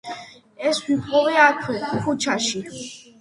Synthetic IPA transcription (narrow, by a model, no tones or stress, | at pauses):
ɛswipʼɔvɛat̪ʰɛkʰut͡ʃʰaʃi